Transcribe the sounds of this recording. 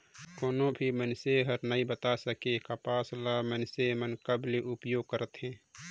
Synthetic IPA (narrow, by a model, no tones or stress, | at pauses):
koːnõbʱimənseɦəɾnaĩbət̪asəkekapaːslaːmənsemənkəbleʔʊpjoːɡ̚kəɾət̪ɦɛ̃ː